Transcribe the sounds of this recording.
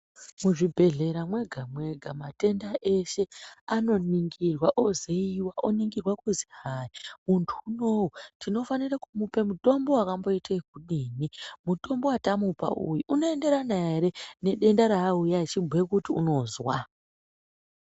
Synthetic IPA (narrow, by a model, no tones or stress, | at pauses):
muʐibʱe̞ɮe̞ɾamwe̞ɡʱamwe̞ɡʱamate̞ndaʔe̞ʃe̞ano̞niŋɡirwaʔozeiiwaʔoniŋɡirwakuzihaːjimuntʰuːno̞wutʰino̞fanirakumupe̞muto̞mbo̞wakambo̞itak̚uɗiːnimuto̞mbo̞watamupa̰ʔṵjuʔuno̞e̞nde̞ɾanaeɾe̞ne̞ɗe̞ndaɾaːujait͡ʃimbʱekutiṵno̞zwa